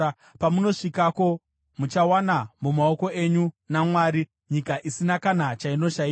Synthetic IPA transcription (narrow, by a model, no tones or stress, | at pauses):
pamuno̞ʂikako̞ | mut͡ʃawanamumao̞ko̞e̞ɲu | namwaːɾi | ɲikaʔisinakanat͡ʃaino̞ʃai